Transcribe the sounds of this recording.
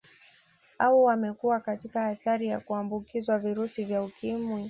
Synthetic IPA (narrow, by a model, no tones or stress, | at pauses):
awɔwamɛkuwakatikahataɾija̰kuambukizwaviɾusivjaukʰimwi